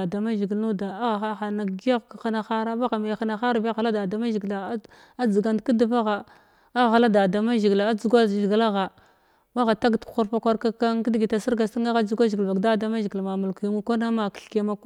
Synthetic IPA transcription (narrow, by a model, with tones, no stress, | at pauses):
a˨da˨ma˦ʒi˨ɡi˨lnu˦da˨a˦ɣa˨xa˦xa˨na˨ɡi˦ja˦ɣxa˦na˨xa˦ɾa˦ba˦ɣa˨ma˨jxa˦na˨xa˦ɾa˦ba˦ɣa˨la˦da˨da˨ma˦ʒi˨ɡla˨˦ | a˦d͡zə˨ɡa˦ndki˦di˦va˦ɣa˨ | a˦ɣa˨xa˨la˦da˨da˨ma˦ʒi˨ɡa˨a˦u˦ɡʷa˦ʒi˨ɡla˦ɣa˨ | ba˦ɣa˨ta˦ɡtkxu˦ɾpa˦kʷa˦ɾka˦ka˦nki˦dɡi˨ta˨si˦ɾɡa˨si˦a˦ɣa˦d͡zu˦ɡʷa˦ʒi˨ɡva˨ɡda˦˨da˦ma˦ʒi˨ɡlma˨mu˨lku˨mu˦kʷa˦na˦ma˨kɬke˦ma˦k